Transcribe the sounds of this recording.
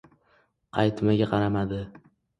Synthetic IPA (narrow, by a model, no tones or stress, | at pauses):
qʰɑ̰jt̪maɡʲaqʰɑɾamad̪ɪ